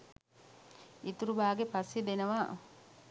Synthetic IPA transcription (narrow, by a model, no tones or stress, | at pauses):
it̪uɾubaːɡepasjed̪enəʋaː